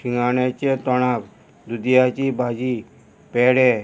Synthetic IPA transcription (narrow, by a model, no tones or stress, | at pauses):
siŋɡaɽ̃et͡ɕet̪ɔɽ̃ak | d̪ud̪jat͡ɕibʱad͡ʑi | peɽe